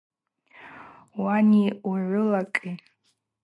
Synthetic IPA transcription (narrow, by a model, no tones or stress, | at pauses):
waniuʕʷʊlakʼi